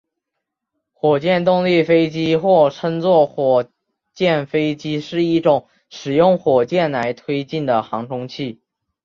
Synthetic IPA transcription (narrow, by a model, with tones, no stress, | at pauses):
xwɔ˨˩t͡ɕjɛ˥˧nt̪̬ʊ˥˧ŋli˥˩fe˥ɪt͡ɕi˥xwɔ˥˩ʈ͡ʂʰə˥ŋt͡swɔ˥˩xwɔ˨˩ | t͡ɕjɛ˥˩nfe˥ɪt͡ɕi˥ʂɻ̩˥˧i˥˩ʈ͡ʂʊ˨˩˦ŋ | ʂɻ̩˨˩jʊ˥˩ŋxwɔ˨˩t͡ɕjɛ˥˩nla˧˥ɪt̪ʰwe˥ɪt͡ɕi˥˩nd̪ə˩xɑ˧˥ŋʈ͡ʂʰʊ˥ŋt͡ɕʰi˥˩